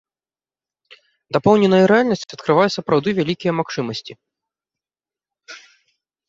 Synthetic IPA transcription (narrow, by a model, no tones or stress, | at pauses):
d̪apɔwnʲɛnɐjɐɾɛalʲnɐsʲt͡sʲɐt̪kɾɨvajɛsɐpɾawd̪ɨvʲalʲikʲijɛɐmaxt͡ʂɨmɐsʲt͡sʲi